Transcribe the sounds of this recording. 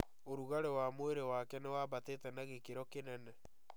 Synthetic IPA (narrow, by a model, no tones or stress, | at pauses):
oɾuɣaɾewamoeɾewakɛnewaβatetɛnaɣekeɾɔkenɛnɛ